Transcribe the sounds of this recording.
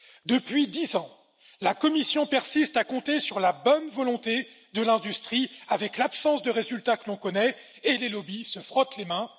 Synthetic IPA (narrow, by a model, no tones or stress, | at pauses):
d̪əpɥid̪izɑ̃ | lakɔmisjɔ̃pɛʁsist̪akɔ̃t̪esyʁlabɔnvɔlɔ̃t̪e | d̪əlɛ̃d̪yst̪χiavɛklapsɑ̃sd̪əʁezylt̪akəlɔ̃kɔnɛ | elelɔbisəfχɔt̪lemɛ̃